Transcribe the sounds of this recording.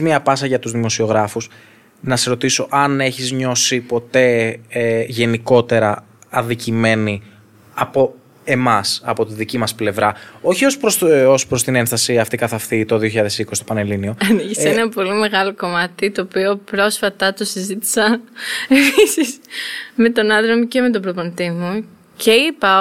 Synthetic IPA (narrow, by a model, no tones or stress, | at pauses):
miɐpɐsɐʝɐt̪uzðimo̞sio̞ɣɾɐfus | nɐseɾo̞t̪iso̞ʔɐne̞çizɲo̞sipo̞t̪e̞ | ʝe̞niko̞t̪e̞ɾɐ | ɐnðicime̞ni | ɐpo̞ | e̞mɐsɐ̰po̞t̪iðicimɐsple̞vɾɐo̞çio̞spɾoso̞spɾo̞st̪ine̞nθɐsiɐft̪ikɐθɐfθit̪oðioçiʎaðe̞sikosist̪opɐnelinio̞ɐniçiseenɐpo̞lime̞ɣɐloko̞mɐt̪it̪oːpio̞pɾo̞sfɐt̪ɐt̪o̞sizit̪i̥sɐnepisisme̞t̪o̞nɐðɾomice̞me̞t̪opɾoponit̪imu | cʰe̞ipɐ